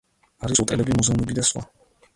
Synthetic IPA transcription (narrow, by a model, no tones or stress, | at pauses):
aɾisʼut̪ʼɛlɛbimuzɛumɛbid̪aswa̰